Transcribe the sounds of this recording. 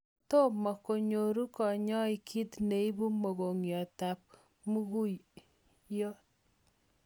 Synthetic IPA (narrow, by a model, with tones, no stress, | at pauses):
to˦mɔ˨ko˨ɲo˨ɾu˦kɔ˨ɲɔ˦i˨kʰi˦tne˨i˦bu˦mo˨ɣo˨ŋjɔ˨ta˨p̚ | mu˦ɣu˦ | jɔ˦